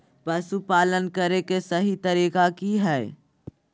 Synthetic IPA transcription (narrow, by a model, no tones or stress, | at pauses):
pɐsupaːlənkəɾekesɐɦit̪ɐɾiːkakiɦɛː